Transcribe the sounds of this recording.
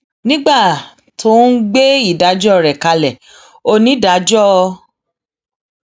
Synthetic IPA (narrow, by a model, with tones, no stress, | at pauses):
nĩ˦ɡ͡ba˦˨ | tʰo˦n̩˦ɡ͡be˦i˦˨da˨˦d͡ʒɔ˦˨ɾɛ˨ka˧lɛ˨ | o˧nĩ˨˦da˨˦d͡ʒɔ˦˧